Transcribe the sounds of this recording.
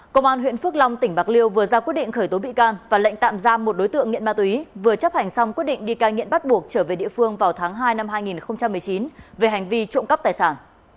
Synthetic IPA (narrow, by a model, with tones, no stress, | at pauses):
kə˧wŋ͡mʔaː˧nɦwḭ˧˨ənfɨ˦˥ək̚la˧wŋ͡mt̪ï˧˩ŋ̟ɓaː˨˩k̚li˧əwvɨ˨˩əzaː˧kwi˦˥t̚ɗḭ˧˨ŋ̟xəː˧˩jt̪o˨˦ɓḭ˧˨kaː˧nvaː˨˩la̰˧˥jŋ̟t̪a̰ː˧˨mzaː˧mo˨˩t̚ɗo˨˦jt̪ɨ̰˧˨əŋːḭ˧˨nmaː˧t̪wi˨˦vɨ˨˩ət͡ɕə˦˥p̚ha˨˩jŋ̟sa˧wŋ͡mki˦˥t̚ɗḭ˧˨ŋ̟ɗi˧kaː˧ŋḭ˧˨ənɓa˦˥t̚ɓu˨˩ək̚t͡ɕəː˧˩ve˨˩ɗḭ˧˨əfɨ˧əŋvaː˨˩wt̪ʰaː˨˦ŋɦaː˧jna˧mɦaː˧jŋi˨˩nxə˧wŋ͡mt͡ɕa˧mːɨ˨˩jt͡ɕi˨˦nve˨˩ɦa˨˩jŋ̟vi˧t͡ɕo̰˧˨ŋ͡mkə˦˥p̚t̪aː˨˩jsaː˧˩n